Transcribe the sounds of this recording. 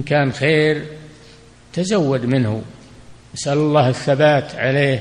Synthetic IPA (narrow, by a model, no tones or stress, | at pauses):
nkaːnxeːɾ | t̪azawːad̪mɪnhṵ | ʔasʔalalˤːɑːhɪθːabaːt̪ʕaleː